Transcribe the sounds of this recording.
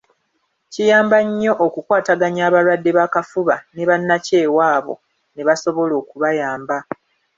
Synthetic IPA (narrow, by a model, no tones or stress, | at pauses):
cijaːmbaɲːo̞ʔokukwaːtaɡaɲaːβalwadːeβakafuβaneβanːace̞ːwaːβo̞̰ | neβaso̞βo̞lo̞ːkuβajaːmba